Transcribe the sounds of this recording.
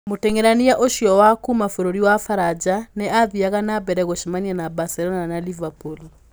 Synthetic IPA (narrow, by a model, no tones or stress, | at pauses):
motɛŋɛɾaniaʔoʃiɔwakumafoɾoɾiwafaɾad͡ʒanɛaðiaɣanabɛɾɛɣoʃimaɲianabasɛlɔnanalivapul